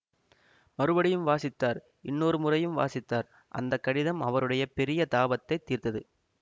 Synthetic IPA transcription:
mɐɾɯbɐɽɪjɯmʋaːsɪt̪ːaːɾ | ɪnːoːɾɯmʊrɐjɯmʋa̰ːsɪt̪ːaːɾ | ʔɐ̰nd̪ɐkːɐɽɪðɐmɐʋɐɾɯɽɐjɐpɛɾɪjɐt̪aːbɐt̪ːɐɪt̪ːiːrt̪ɐðɯ

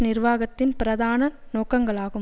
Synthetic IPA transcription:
nɪrʋaːɣɐt̪ːɪnpɪɾɐðaːnɐnoːkɐŋɡɐɭaːɣɯ

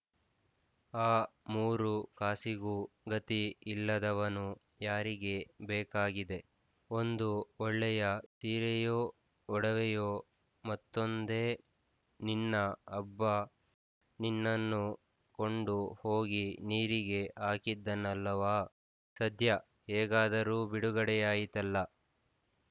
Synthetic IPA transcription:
aːmuːɾukaːsiɡuːɡɐt̪iilːɐd̪ɐʋɐnu | jaːɾiɡe̞bɛːkaːɡid̪e̞ | o̞nd̪uɔɭːɛjɐt̪iːɾɛjoː | ɔɽɐʋɛjoː | mɐt̪ːond̪e̞ː | ninːɐɐbːɐ | ninːɐnːu | ko̞ɳɖuho̞ːɡiniːɾiɡe̞ʔaːkid̪ːɐnːɐlːɐʋaː | sɐd̪ʱjɐ | hɛːɡaːd̪ɐɾuːbiɽuɡɐɽɛjaːjit̪ɐlːɐ

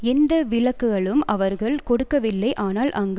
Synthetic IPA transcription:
ɛnd̪ɐʋɪɭɐkːɯɣɐɭɯmʔɐʋɐɾɣɐɭkɔɽɯkːɐʋɪlːɐɪʔaːnaːlʔɐŋɡ

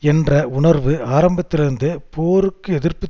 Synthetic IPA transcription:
ɛndrɐʊɳɐɾʋɯaːɾɐmbɐt̪ːɪlɪɾɯnd̪ɯpoːɾɯkːɯɛðɪrpɯ

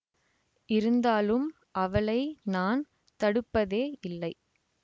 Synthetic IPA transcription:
ʔɪɾɯnd̪aːlɯm | ʔɐʋɐɭɐɪnaːn | t̪ɐɽɯpːɐðeːɪlːɐɪ

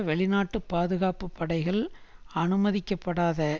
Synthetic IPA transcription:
ʋɛɭɪnaːʈːɯpːaːðɯɣaːpɯpːɐɽɐɪɣɐɭɐnɯmɐðɪkːɐpːɐɽaːðɐ

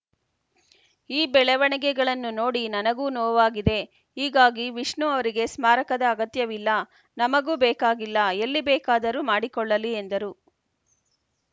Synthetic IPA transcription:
iːbɛɭɛʋɐɳɛɡɛɡɐɭɐnːuno̞ːɽinɐnɐɡuːnɔːʋaːɡid̪e̞ | ɦiːɡaːɡiʋiʂɳuɐʋɐɾiɡe̞smaːɾɐkɐd̪ɐːɡɐt̪jɐʋilːɐ | nɐmɐɡuːbɛːkaːɡilːɐelːibɛːkaːd̪ɐɾumaːɽikɔɭːɐliend̪ɐɾu

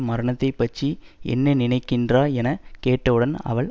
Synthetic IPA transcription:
mɐɾɐɳɐt̪ːɐɪpːɐt͡ʃːiɛ̰nːɐnɪnɐɪkːɪndraːɛnɐkeːʈːɐʋɯɽɐnɐ̰ʋɐɭ

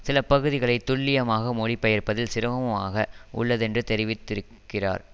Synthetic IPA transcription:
sɪlɐpɐɣɯðɪɣɐɭɐɪt̪ːʊɭːɪjɐmaːɣɐmɔɽɪpːɐjɐɾpɐðɪlsɪɾɐʋɐmɯma̰ːɣɐʔʊ̰ɭːɐðɛndrɯt̪ɛɾɪʋɪt̪ːɪɾɯkːɪra̰ːɾ

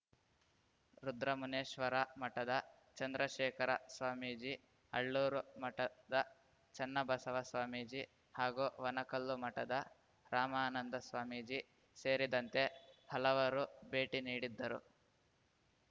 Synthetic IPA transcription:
ɾud̪ɾɐmuneːʃʋɐɾɐmɐʈɐd̪ɐ | t͡ʃɐnd̪ɾɐʃɛːkʰɐɾɐsʋaːmiːd͡ʒi | ɐɭːuːɾumɐʈɐd̪ɐ | t͡ʃɐnːɐbɐsɐʋɐsʋaːmiːd͡ʒi | haːɡuʋɐnɐkɐlːumɐʈɐd̪ɐ | ɾaːmaːnɐnd̪ɐsʋaːmiːd͡ʒi | seːɾid̪ɐnt̪e̞hɐlɐʋɐɾubeːʈiniːɽid̪ːɐɾṵ

